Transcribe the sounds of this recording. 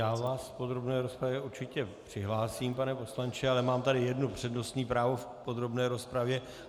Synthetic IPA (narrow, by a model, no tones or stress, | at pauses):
jaːvaːsfpo̞d̪ɾo̞bnɛːɾospɾavjɛuɾt͡ʃɪcɛpr̝̥ɪɦlaːsiːmpanɛpo̞slant͡ʃɪalɛmaːmt̪adɪjɛdnupr̝̥ɛdnost̪ɲiːpɾaːvo̞fpo̞d̪ɾo̞bnɛːɾo̞spɾavjɛ